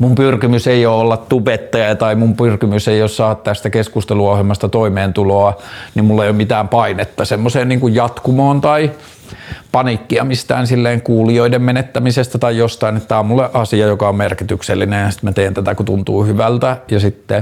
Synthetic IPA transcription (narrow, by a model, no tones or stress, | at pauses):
mumpyrkimyseioːolːɑt̪t̪upet̪ːɑjɑt̪ɑimumpyrkimyseioːssɑːt̪t̪æst̪ækeskust̪eluohelmɑst̪ɑt̪oimeːnt̪uloɑnimmulːeijomit̪æːmpɑinet̪ːɑsemːoseːnniːŋkujjɑt̪kumoːnt̪ɑi | pɑnikːiɑmist̪æ̰ːnsilːeːŋkuːlioidemmenet̪ːæmisest̪æt̪ɑijjost̪ɑinet̪ːæommulːeʔɑsiɑjokɑommerkit̪ykselːinejjɑsi̥t̪mæt̪eːnt̪æt̪ækut̪unt̪uːhyʋælt̪æjɑsit̪ːe